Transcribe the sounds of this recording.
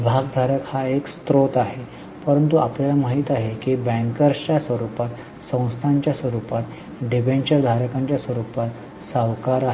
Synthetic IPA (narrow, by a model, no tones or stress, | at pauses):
bʱaɡ̚d̪ʱaɾəkhaekst̪ɾot̪aɦe | pəɾənt̪uapljalaməɦiːt̪aɦekibɛ̃ŋkəɾt͡ɕjasʋəɾupat̪ | sə̃w̃st̪ʰaɲt͡ɕjasʋəɾupat̪ | ɖibenɕəɾd̪ʱaɾəkaɲt͡ɕjasʋəɾupat̪ | səʋkaɾaɦ